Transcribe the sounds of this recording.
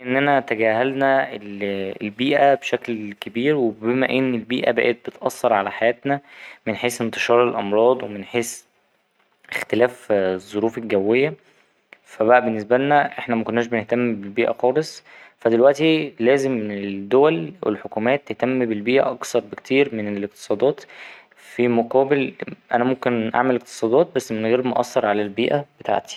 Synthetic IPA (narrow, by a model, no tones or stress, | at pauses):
ʔenːænæt̪æɡæːɦælnæelelbiːʔæbeʃæklkebiːɾwebemæʔenːelbiːʔæ̰bæ̰ʔet̪̚bet̪ʔɑ̰sˤːɑɾˤʕalæħajæːt̪næmenħeːsent̪eʃɑːɾˤelʔɑmɾˤɑːd̪ˤwemenħeːs | ʔext̪elæːfzˤːoɾuːfelɡæwːejːæ | fæbæʔæbenːes̬bælnæʔeħnæmækonːæːʃ̬beneht̪æmːbelbiːʔæ̰xɑːlesˤ | fæd̪elwæʔt̪ilæːzemːeed̪ːowælwḛlħokuːmæːt̪ːeht̪æmːbelbiːʔæ̰ʔɑksˤɑɾˤbekt̪ʰiːɾmeneelek̚t̪e̥sˤɑːd̪ˤɑːt̪ | fimoqɑːbelʔænæmomkenʔa̰ʕmeleq̚t̪e̥sˤɑːd̪ˤɑːt̪̚bæsːmenɣiːɾbmoʔɑ̰sːɑɾˤʕalælbiːʔæb̥et̪a̰ʕt̪i̥